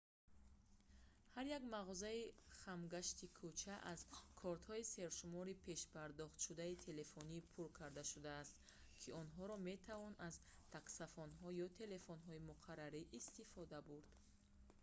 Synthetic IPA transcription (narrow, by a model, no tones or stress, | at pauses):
haɾjaɡmaʁɔzaiχamɡaʃt̪ikʰut͡ʃʰaʔazkʰɔɾt̪hɔise̞ɾʃumɔɾipʰe̞ʃpʰaɾd̪ɔχt̪ʃud̪ait̪ʰe̞le̞fonipʰuɾkʰaɾd̪aʃud̪aːst̪ | kʰiɔnɦɔɾɔme̞t̪ʰavɔnaz | t̪ʰaksafɔnɦɔjɔt̪ʰe̞le̞fɔnɦɔimuqʰaɾːaɾiʔist̪ifɔd̪abuɾd̪̥